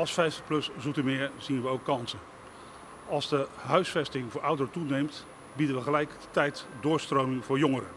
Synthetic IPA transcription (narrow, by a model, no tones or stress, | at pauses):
ɑlˠsfɛjfəplɵszutəmɪːɹz̥inʋəowkːɑnsə | ɑlˠzdəɦœɥsfɛstɪŋvʊːɹʔʌwdərətunejmt | bidənʋəχəlɛjkdətɛjtdʊːɹstrowmɪŋvʊːɹjoŋəɾə̰